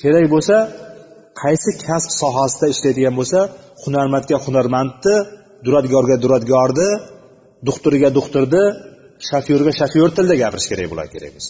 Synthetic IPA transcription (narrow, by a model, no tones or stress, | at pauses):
kʲʰe̞ɾakʲbolˠsa | qʰɑjsɪkʲʰaspsɒɦasɪd̪aɪʃlajd̪ɪɡʲanbolˠsa | hʊnaɾmant̪̚kʲahʊnaɾmant̪ːɪ | d̪ʊɾat̪̚ɡɒɾɡʲad̪ʊɾat̪ɡʲɒɒɾd̪ɪ | d̪ʊχt̪ʊɾɪɡʲad̪ʊχt̪ʊɾd̪ɪ | ʃafjoɾɡʲaʃafjoɾt̪ʰɪld̪aɡʲapʰɪɾɪʃkʰʲe̞ɾak̚ʲbolˠa̰ɾkʲʰe̞ɾa̰ɡʲmɪz̥